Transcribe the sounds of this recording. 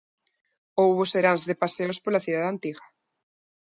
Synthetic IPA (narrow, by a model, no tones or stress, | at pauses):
owβoseɾanzðepaseospoɾlaθjuðaðant̪iɣa